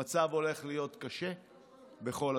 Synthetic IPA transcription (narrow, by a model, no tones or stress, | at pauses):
at͡savo̞le̞χlijo̞tkaʃe̞ | be̞χo̞l